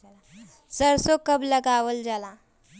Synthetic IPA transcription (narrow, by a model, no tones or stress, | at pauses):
səɾsokəbləɡaʋəld͡ʒala